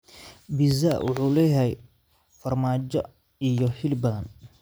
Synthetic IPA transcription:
bizawʔʊ̰ħuːlɛːjɐɛ | fɐrmaːt͡ʃɔ̰ | ijɔhɪlbɐðɐn

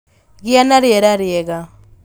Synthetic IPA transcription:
ɣianaɾjɛɾaɾjɛɣa

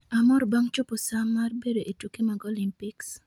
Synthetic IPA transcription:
amɔɾbaŋt͡ʃoposamːarbedoʔetukemaɡɔlimpiks

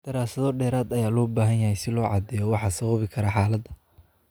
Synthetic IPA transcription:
d̪̥ɐɾaːsɐðɔɖɛːɾaːd̪ɐjaːlɔːbaːɦɐnjɐhɛjsɪlɔːʕɑ̰d̪ɛːjɔwɑħɑːsɔwβɪkʰɐɾɐħɑːlɐd̪ɐ

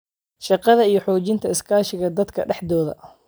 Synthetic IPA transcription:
ʃɑqɑðɐijɞħɔːt͡ʃɪnt̪ʰɐɪskʰaːʃɪɣɐd̪ɐd̪kʰɐ̰ɖɛħd̪ɔːðɐ̰

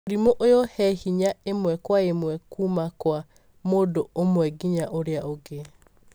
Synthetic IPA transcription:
oɾimoʔojɔhɛhiɲaemwɛkwaemwɛkumakwa | modoomwɛɡiɲaʔoɾeaoɡe

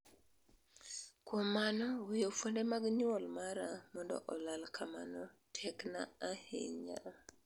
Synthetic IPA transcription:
kwomanɔwijofwondemaɡɲɔlmaɾamɔndɔ̰ʔɔlalkʰamanɔtʰɛkna̰ːhḛɲa̰

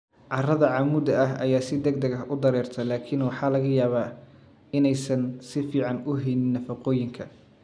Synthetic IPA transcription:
ʕɑrɐðɐʕɑmuːd̪ɐɐɦɐjaːsɪd̪ɐɡ̚d̪ɐɣɐʔʊd̪ɐɾɛːrt̪ʰɐlaːkʰɪnwɑħɑːlɐɣɐjaːβaː | ɪnɛjsɐnsɪfiːʕɑnʊɦɛnɪnːɐfɐqɔːjɪŋkʰɐ

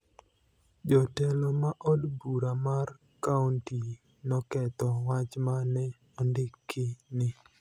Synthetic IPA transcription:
d͡ʒɔtɛlɔmaʔɔdbuɾamar | kaunti | nɔkɛt̪ɔwat͡ʃmanɛ | ɔndɪkʰːɪnɪ

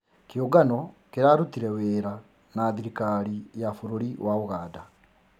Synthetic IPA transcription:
keoɡanɔkeɾaɾutiɾɛweːɾa | naðiɾikaɾijafoɾoɾiwaoɣaːda

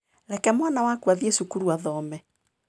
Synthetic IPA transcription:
ɾɛkɛmwanawakwaðiesukuɾuaðɔmɛ

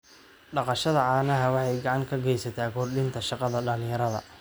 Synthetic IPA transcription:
ɖɑqɑʃɐðɐaːnɐɦɐwɑħɑjɡɑʕɑŋkʰɐɡɛjsɐt̪ʰaːkʰɔrɗɪnt̪ʰɐʃɑqɑðɐɖɐlɪjɐɾɐðɐ̰

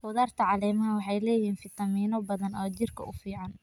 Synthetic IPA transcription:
ʊðaːrt̪ʰɐʕɑlɛːmɐɦɐwɑħɑjlɛːjiːnfɪt̪ʰɐmiːnɔbɐðɐnɔːt͡ʃɪrkʰɐ̰ʔʊfiːʕɑn

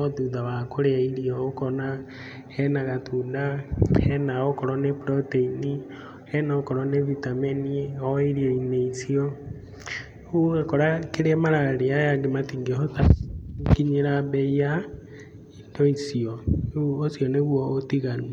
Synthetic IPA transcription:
ɔðuðawakoɾeaiɾiɔokɔna | ɛnaɣatʰudaɛnaokɔɾɔnepɾɔteini | ɛnakɔɾɔnevitameniɔiɾiɔineisiɔ | uɣakɔɾakeɾeɛmaɾaɾeajaɡematiŋɡeotakiɲeɾabɛja | idɔisiɔosiɔneβuɔotiɣani

